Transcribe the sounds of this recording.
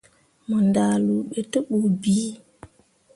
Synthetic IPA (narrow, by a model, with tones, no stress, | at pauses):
mə˨ndaː˨lu˨ɓe˨tə˦ɓu˨biː˦